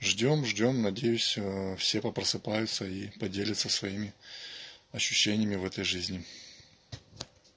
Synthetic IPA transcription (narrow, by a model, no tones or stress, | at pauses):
ʐdʲo̞mʐdʲo̞mnɐdʲejʊsʲfsʲe̞pəpɾəsɨpajʊt̪səipɐdʲelʲɪt̪səsvɐimʲɪ | ɐɕːʉɕːenʲɪjəmʲɪvɛt̪əjʐɨzʲnʲɪ